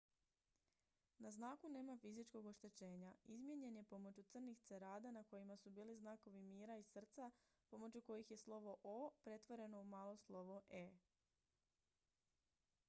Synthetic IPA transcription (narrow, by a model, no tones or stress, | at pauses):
naznaːkune̞ːmafizit͡ʃko̞ɡo̞ʃt̪e̞t͡ɕe̞ːɲaizmje̞ɲe̞nje̞po̞mo̞t͡ɕut̪sɨr̩nixt̪seɾaːd̪anako̞jimasubiːliznaːko̞ʋimiːɾaisr̩t̪sa | po̞mo̞t͡ɕuko̞jixje̞slˠo̞ʋo̞ʔopɾe̞t̪ʋo̞ɾe̞no̞umaːlˠoslˠo̞ʋoʔe